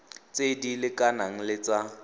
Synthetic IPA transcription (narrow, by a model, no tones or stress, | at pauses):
t͡sʼedilɪkʼanaŋ̩lɪt͡sa